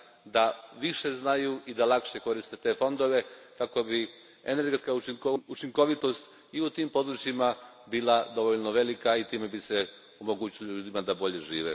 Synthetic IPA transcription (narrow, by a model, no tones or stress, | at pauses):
d̪aʋiʃe̞znajuʔid̪alakʃeko̞ɾist̪et̪e̞ːfo̞nd̪o̞ʋe̞kako̞bi | ene̞ɾɡe̞t̪skauiout͡ʃiŋko̞ʋit̪o̞st̪ | iut̪iːmpo̞d̪ɾut͡ʃjima | biːlˠad̪o̞ʋoʎnoʋe̞likait̪iːme̞bise | omo̞ɡuːt͡ɕiloʎuːd̪imad̪abo̞ʎe̞ʒiːʋḛ